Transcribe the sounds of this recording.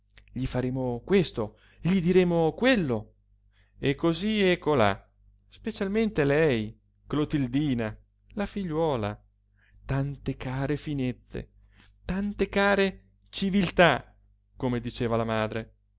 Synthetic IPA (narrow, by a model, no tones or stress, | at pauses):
ʎifaɾeːmokwest̪o | ʎid̪iɾeːmokwelːo | ekːoziɛkʰːola̰ | spet͡ʃalment̪elɛj | klot̪ild̪iːna | lafiʎːwɔːla̰ | t̪ant̪ekaːɾefinet̪sːḛ | t̪ant̪ekaːɾe | t͡ʃivilt̪a | komed̪it͡ʃeːvalamaːd̪ɾe